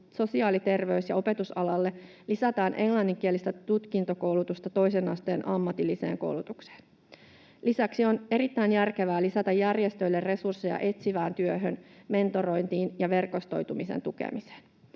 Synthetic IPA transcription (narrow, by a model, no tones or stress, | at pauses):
so̞siɑːlit̪e̞rʋe̞ysjɑ̰o̞pe̞t̪usɑlɑlːe̞ | lisæt̪ɑːnʔe̞ŋlɑnːiŋk̟ielist̪æt̪ut̪kint̪o̞ko̞wlut̪ust̪ɑt̪o̞jse̞nɑ̰st̪e̞ːnʔɑmːɑt̪ilːise̞̰ːŋko̞̰wlut̪ukse̥ːn | lisæksio̞ne̞ɾit̪ːæinjærkeʋæːlisæt̪ɑjjærjest̪ø̞jlːerre̞sursːejɑ̰ʔe̞t̪siʋæːnt̪yøɦønme̞nt̪o̞ɾo̞jnt̪iːnjɑʋe̞rko̞st̪o̞̰jt̪umisḛnt̪ukḛmise̥ːn